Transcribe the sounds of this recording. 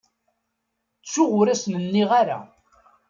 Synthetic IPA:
t͡sːʊʁʊɾasnənːiʁaɾa̰

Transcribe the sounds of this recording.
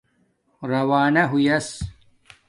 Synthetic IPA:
ɾɐwaːnɐɦujɐs

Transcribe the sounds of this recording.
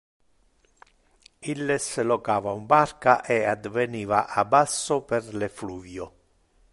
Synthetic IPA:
ilːesɪlɔkaːvaumbarkaʔɛad̪vɛniːva̰ʔabasːʊpɛrlɪfluːvjʊ

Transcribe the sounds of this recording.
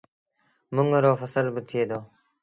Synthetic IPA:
mʊŋɾoːfəsəlbət̪ʰieːd̪oː

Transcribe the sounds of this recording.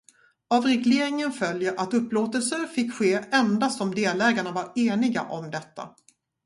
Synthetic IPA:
avɾɛɡleːɾɪŋənfœljəɾʔat̪ɵpːloːt̪əlsəɾfɪkːɧeːɛnd̪asɔmd̪eːlɛːɡaɳavaɾeːnɪɡa̰ʔɔmd̪ɛt̪ːa̰

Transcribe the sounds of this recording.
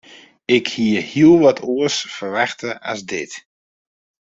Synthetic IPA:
ɪkhiəhiəlˠʋɔtʰuəsfərʋaxtəʔa̰sdɪt

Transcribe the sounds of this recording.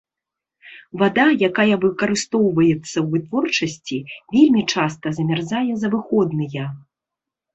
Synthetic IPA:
vad̪ajakajɐvɨkɐɾɨst̪ɔwvɐjɛt̪sːɐwvɨt̪vɔrt͡ʂɐsʲt͡sʲivʲelʲmʲit͡ʂast̪ɐzɐmʲarzajɛzɐvɨxɔd̪nɨjɐ

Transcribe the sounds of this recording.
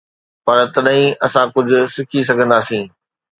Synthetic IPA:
pɐɾt̪ɐɗɦĩʔɐsãkʊd͡ʑʱʊ̆sɪkʰis̬ɐɡʱə̃nd̪aːsĩː

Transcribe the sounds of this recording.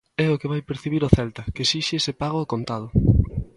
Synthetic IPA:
ɛʊkeβajpeɾθiβiɾʊθɛlt̪ɐkesiʃesepaɣ̞oːkont̪að̞ʊ

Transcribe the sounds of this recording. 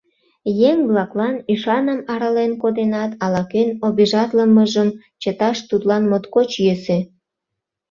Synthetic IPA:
jeŋβlɑklɑnyʃɑnəmɑɾɑlenkod̪enɑt̪ɑlɑkenobeʒɑt̪ləməʒəm | t͡ɕət̪ɑʃt̪ut̪lɑnmot̪kot͡ɕjese

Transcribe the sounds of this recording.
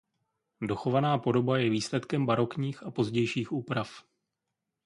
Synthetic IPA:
do̞xo̞vanaːpo̞do̞bajɛviːslɛt̪kɛmbaɾo̞kɲiːxapo̞zɟɛjʃiːxuːpɾaf

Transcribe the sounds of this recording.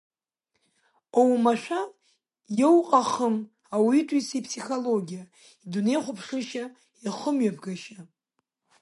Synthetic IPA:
owmaʃʷᶣa | jowqʼaχəm | awitʷʼwisipʰsiχoloɡʲija | idune̞jχʷʊpʰʂɨʃa | iχəmɥapʰɡaʃa

